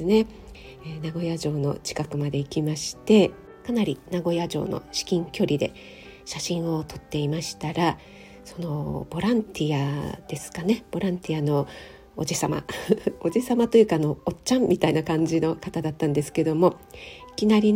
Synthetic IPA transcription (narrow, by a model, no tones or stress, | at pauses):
ɨne̞ | enaɡo̞jaʑo̞ːno̞̰t͡ɕi̥kakɯ̟mad̪e̞ikʲimaɕi̥t̪e̞ | kanaɾʲinaɡo̞jaʑo̞̰ːno̞̰ɕi̥kʲĩŋkʲo̞ɾʲid̪e̞̰ | ɕaɕĩɰ̃o̞t̪ʰo̞̥t̪ːe̞imaɕi̥t̪aɾa | so̞no̞b̥o̞ɾãnt̪ʲiad̪̥e̞sɨ̥kane̞b̥o̞ɾãnt̪ʲiano̞ː | d͡ʑisama̰od͡ʑisamat̪o̞jɯ̟ːkaːno̞ːtt͡ɕãmmʲit̪ainakãɲ̟d͡ʑino̞kat̪ad̪at̪ːãnd̪e̞sɨ̥ke̞d̪o̞mo̞i̥kʲinaɾʲi